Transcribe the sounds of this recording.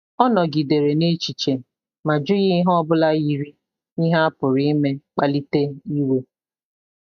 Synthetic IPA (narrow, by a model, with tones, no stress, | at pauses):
ɔ˦nɔ˨ɡi˨de˨ɾe˨ne˦t͡ʃi˨t͡ʃe˨ | ma˨d͡ʒʊ˦ɣɪ˦ɦɔ˦bʊ˦la˦ji˨ɾi˦ | i˦ɦa˦a˦pʊ˨ɾɪ˦i˦me˦k͡pa˨li˦te˦i˦we˦